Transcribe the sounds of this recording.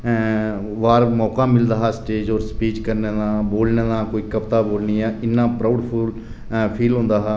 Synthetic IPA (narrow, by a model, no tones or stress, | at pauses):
ʋaːɾmɔːkãːmɪld̪aːɦːsʈeːd͡ʒɔːɾspiːt͡ʃkəɾneːd̪aːboːlneːd̪ãːkoːiːkəpt̪aːboːlniːɛːɪnːãːpɾaːʊɖpʰʊl | pʰiːlɦʊ̃nd̪aːɦaː